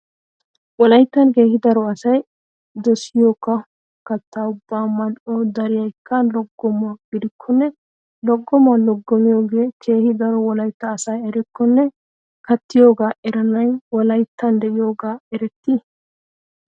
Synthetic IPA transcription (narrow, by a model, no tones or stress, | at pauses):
wɔlɐjt̪ːɐnke̞ːhɪd̪ɐɾɔɐsɐj | d̪ɔsɪjoːkːɐ | kɐt̪ːaːʊbːaːmːɐnod̪ɐɾɪjɐjkʰːɐlɔɡːɔmʊaɡ̥ɪd̪ɪkʰːɔnːɛ | lɔɡːɔmalɔɡːɔmɪjo̞ːɡe̞ːkʰe̞ːhɪd̪ɐɾɔwɔlɐjt̪ːɐːsɐjɛɾɪkːɔnːɛ | kɐt̪ːɪjo̞ːɡaːɛɾɐnɐjwɔlɐjt̪ːɐnd̪ɛʔɪjo̞ːɡaːɛɾɛt̪ːɪ